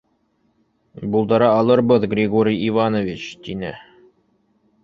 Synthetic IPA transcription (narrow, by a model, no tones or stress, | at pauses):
bulˠd̪ɑɾɑːlˠɤɾbɤðɡrʲiɡoɾʲijivanovʲit͡ɕt̪inɘ̰